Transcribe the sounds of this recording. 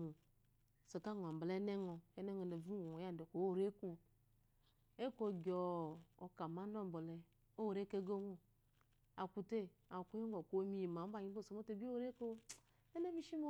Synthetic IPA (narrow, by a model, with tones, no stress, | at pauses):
u˨ | se˨ka˦˨ŋ˨a˨m˨blɛ˦ne˦ŋɔ˨e˦nɛ˦ŋo˨n˨e˨vu˦˨o˨ja˦˨n˨de˨ko˨o˦˨ɾe˦ku˦˨ | e˦ko˦ɡʲɔ˨o˨ka˨ma˨˦no˦˨bo˨lɛ˨ | o˦wɾe˦ke˦ɡo˦wo˦ | a˨ku˧te˦˨a˨ku˦je˦ŋo˨ko˨˦mi˦ji˨ma˨˦ba˦˨ɲi˦o˦˨so˨mo˦te˦˨bi˦o˦ɾe˦ko˦ | e˦ne˦mi˦ʃi˦mo˦